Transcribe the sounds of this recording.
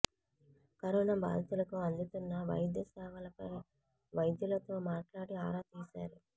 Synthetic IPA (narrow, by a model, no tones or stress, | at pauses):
kɐɾoːnaːba̰ːd̪ʱɐt̪ulɐkuɐnd̪ut̪unːɐʋɐ̰jd̪jɐsɛːʋɐlɐpɐj | ʋɐjd̪julɐt̪o̞ːmaːʈlaːɽiaːɾaːt̪iːsaːɾu